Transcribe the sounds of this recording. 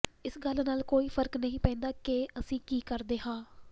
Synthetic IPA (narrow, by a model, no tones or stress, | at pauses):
ɪsɡəlnaːlkoːiːpʰəɾknəɦĩːpɛ̃ːnd̪aːkeːəsĩːkiːkəɾd̪eːɦãː